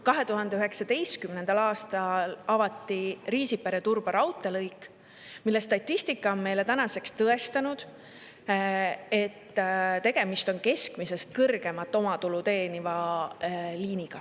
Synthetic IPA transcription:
kɑɦe̞t̪uɦɑnd̪e̞yɦe̞ksɑd̪e̞jst̪̚kymnend̪̥ɑlɑːst̪ɑlɑvɑt̪ːˑiriːsipeɾet̪urb̥ɑɾɑwt̪ːˑe̞lɤjkːˑ | milːe̞st̪ɑt̪ʲːˑist̪ikːˑɑo̞nme̞jle̞t̪ænɑse̞kst̪ɤe̞st̪ɑnud̪̥ | e̞t̪ːt̪e̞ɡ̥e̞mist̪o̞nke̞skmise̞st̪̚kɤrɡ̥e̞mɑt̪ːˑo̞mɑt̪ulut̪e̞ːnivɑ | liːniɡ̥ɑ

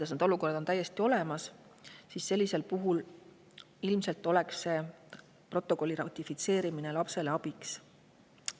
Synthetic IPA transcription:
ud̪ɑs̬ned̪oluko̞rɑd̪̥o̞nt̪æjːe̞st̪io̞le̞mɑs | sisːe̞lːise̞lpuɦul | ilmse̞lt̪ˑːo̞le̞ksːe̞ | pro̞t̪ːˑo̞ko̞lʲːiɾɑwt̪ifit̪se̞ːɾimine̞lɑpse̞leɑbiks

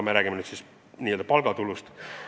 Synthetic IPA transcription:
meɾæːɡ̥imenyːt̪sis | niːe̞ld̪ɑpɑlɡ̥ɑt̪ulust̪

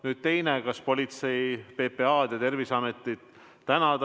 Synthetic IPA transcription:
nyːd̪̥̚t̪e̞jnekɑspo̞lʲit̪se̞jpe̞ːpeɑːd̪̥jɑt̪e̞rvisɑmet̪ːˑit̪ | t̪ænɑt̪

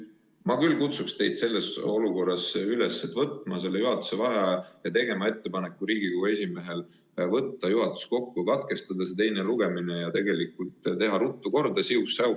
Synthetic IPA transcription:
mɑkylːkut̪sukst̪e̞jd̪̥se̞lːe̞so̞luko̞rːɑsyle̞sːet̪vɤt̪ˑmɑse̞lːejuɦɑt̪ːˑu̥se̞vɑɦɑjɑt̪e̞ɡe̞mɑe̞t̪ːe̞pɑne̞kːˑuɾiːɡ̥ikoɡue̞sʲime̞ɦe̞l | vɤt̪ːɑjuɦɑt̪ˑu̥sko̞kːukɑt̪ke̞st̪ɑd̪̥ɑset̪e̞jne̞luɡe̞mine̞jɑt̪e̞ɡe̞likult̪t̪e̞ɦɑɾut̪ːuko̞rd̪̥ɑsiusːɑu

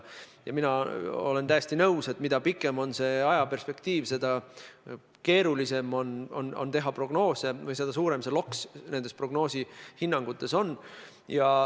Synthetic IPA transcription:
jɑminɑo̞le̞nt̪æjesʲt̪inɤwse̞t̪ːˑmid̪̥ɑpikːˑe̞mo̞nse̞ɑjɑpe̞rspe̞kt̪iːvse̞d̪ɑ | ke̞ːɾulise̞mo̞nono̞̰nt̪e̞ɦɑpro̞ɡ̥no̞ːse̞vɯjse̞d̪ɑsuːɾe̞mselo̞ksne̞nd̪epro̞ɡ̥no̞ːsihinːɑŋɡ̥ut̪ːˑe̞so̞nː | jɑ

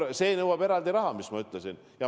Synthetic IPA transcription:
se̞ːnɤwɑb̥e̞ɾɑld̪iɾɑɦɑmismɑyt̪ˑlesin | jɑ

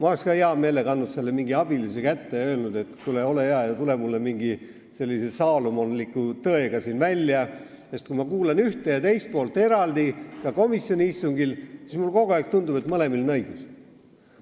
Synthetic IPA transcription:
mɑolekskɑːeɑme̞ːleɡɑnːud̪se̞lːemiŋɡiɑb̥ilisekæt̪ːeø̞ːlnud̪̥e̞t̪kuleo̞le̞jeɑjɑt̪ule̞mulːemiŋɡi | se̞lːisesɑːlumonlikːˑut̪ɤeɡ̥ɑsiːnvælʲːjɑ | sest̪kumɑkuːlenyht̪ejɑt̪e̞jst̪̚po̞ːlt̪ːˑe̞ɾɑld̪̥ikɑko̞misjo̞nʲiist̪uŋɡilsismulko̞ɡ̥oæːˑk̚t̪und̪ub̥et̪mɤle̞milnɤjɡ̥us

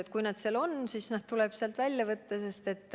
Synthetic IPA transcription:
et̪kujnɑd̪̥selo̞nsisnɑd̪̥̚t̪ulɛb̥seɑlt̪vælʲjɑvɤt̪ːɑse̞st̪e̞t̪ːˑ

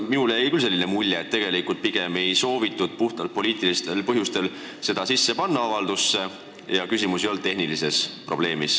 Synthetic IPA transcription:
miuleejkylse̞lːinemulʲjeːt̪ːe̞ɡ̥e̞likˑult̪̚piɡ̥e̞me̞jso̞ːvit̪ːˑud̪̥̚puht̪ɑlt̪̚po̞lʲiːt̪ˑilist̪e̞lpɤɦjust̪e̞l | se̞d̪̥ɑsisːe̞pɑnːɑɑvɑld̪usːe̞ | jɑkysʲimusio̞ld̪̚t̪e̞ɦnilise̞spro̞b̥le̞ːmis

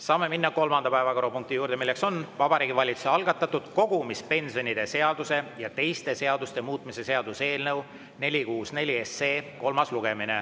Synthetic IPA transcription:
sɑːme̞minːɑko̞lmɑnd̪ɑpæevɑko̞ɾopuŋk̚t̪ijuːɾd̪e̞milːe̞kso̞nvɑb̥ɑɾiːɡivɑlʲit̪su̥seɑlɡ̥ɑt̪ːˑɑt̪ːˑud̪̥ko̞ɡ̥umispe̞nsionid̪̥e̞se̞ɑd̪̥use̞jɑt̪e̞jst̪e̞se̞ɑd̪̥ust̪e̞muːt̪ˑmise̞se̞ɑd̪use̞ːlnɤw | ne̞lʲikuːsne̞lʲiesːe̞ːko̞lmɑsluɡ̥e̞mine̞̰

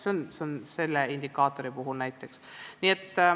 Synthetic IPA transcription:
seonseonse̞lːeind̪ikːɑːt̪ːˑo̞ɾipuɦulnæjt̪ːˑe̞ksniːet̪ːˑ

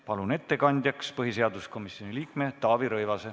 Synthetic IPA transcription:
pɑlune̞t̪ːe̞kɑnʲd̪̥ʲjɑkspɤɦise̞ɑd̪̥usko̞misjo̞nʲiliːkme̞t̪ɑːviɾɤjvɑse

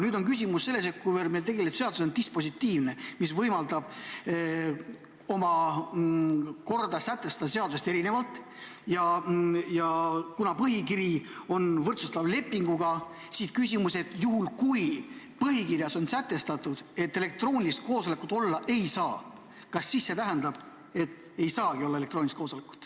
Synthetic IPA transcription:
nyːd̪̥o̞nkys̬ʲimusːe̞lːe̞s̬et̪̚kujvelmelt̪e̞ɡe̞let̪se̞ɑd̪u̥so̞nt̪ispo̞s̬it̪ːiːvne̞misvɤjmɑld̪ɑb̥̚ | o̞mɑ | ko̞rd̪ɑsæt̪ːˑe̞st̪ɑt̪se̞ɑd̪usest̪e̞ɾine̞vɑlt̪ːˑ | jɑjɑkunɑpɤɦikiɾio̞nvɤrt̪sust̪ɑvle̞pːiŋɡuɡ̥ɑ | siːskysʲimuse̞t̪ˑjuɦulkuj | pɤɦikiɾjɑso̞nsæt̪ːe̞st̪ɑt̪ːˑud̪̥e̞t̪ːˑele̞k̚t̪ro̞ːnʲist̪̚ko̞ːso̞le̞kut̪o̞lːɑʔe̞jsɑː | kɑsːiːsːe̞t̪æɦænd̪ɑb̥ | e̞t̪ː | e̞jsɑːɡ̥io̞lːɑe̞lekt̪ro̞ːnʲlist̪ko̞ːsolekːˑu̥t̪

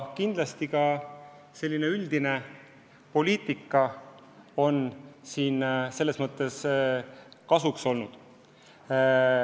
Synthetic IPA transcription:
kind̪lɑst̪ikɑ | se̞lʲːine̞yld̪ine̞ | po̞liːt̪ˑikːˑɑ | o̞nsiːnse̞lːe̞smɤt̪ːˑe̞s | kɑsukso̞lnud̪̥

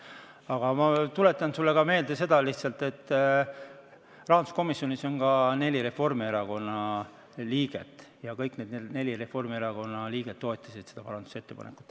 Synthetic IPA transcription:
ɑɡ̥ɑmɑt̪ule̞t̪ːˑɑnsulːekɑme̞ːld̪ese̞d̪ɑliht̪sɑlt̪ˑe̞t̪ː | rɑɦɑd̪u̥sko̞misjo̞niso̞nkɑne̞lʲiɾe̞fo̞rmieɾɑko̞nːɑ | liːɡ̥e̞̰t̪ːˑjɑkɤjkne̞d̪ned̪ne̞lʲiɾe̞fo̞rmieɾɑko̞nːɑliːɡ̥e̞d̪̥̚t̪ːo̞et̪ːˑɑsid̪̥se̞̥d̪ɑpɑɾɑnd̪̥u̥se̞t̪ːepɑ̰nekːˑu̥t̪ːˑ

